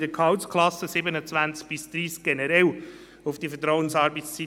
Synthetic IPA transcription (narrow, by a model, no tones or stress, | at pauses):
d̥əkʰɑʊtskʰlɑsːəsɪbənət͡svænt͡sk̚b̥ɪsd̥̪ɾiːsk̚ɡ̥ɛnɛɾɛl | ʊfd̥ifət̬ɾɔwənsɑːɾbəst͡si